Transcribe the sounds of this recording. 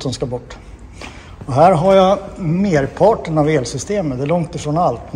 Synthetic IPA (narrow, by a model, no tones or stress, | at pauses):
sɔmskabɔʈː | ɔɦæːɾɦaɾjameːɾpʰɑːʈːəɳaveːlsʏst̪eːmət̪d̪ɛlɔŋt̪ɪfɾɔːnalt̪